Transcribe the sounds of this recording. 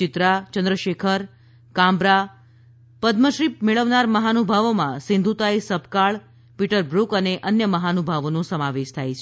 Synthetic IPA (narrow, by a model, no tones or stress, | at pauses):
ɪt̪ɾat͡ʃənd̪ɾəʃekʰəɾ | kãmbɾa | pəd̪məʃɾipmeɭəʋnaɾməɦanubʱaʋomãsɪ̃nd̪ʱut̪aesəbʱkaɭ | piʈəɾbɾukəneʔənjəməɦanubʱaʋonũsəmaʋeʃt̪ʰajt͡ʃʰ